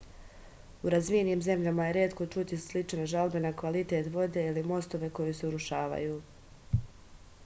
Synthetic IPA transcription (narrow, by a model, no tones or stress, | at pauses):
uɾazʋieniːmze̞mʎamaje̞ɾe̞ːt̪ko̞t͡ʃut̪islit͡ʃne̞ʒalbe̞nakʋalit̪e̞t̪ʋo̞d̪e̞ilimo̞st̪o̞ʋe̞ko̞juse̞uɾuʃaːʋa̰juː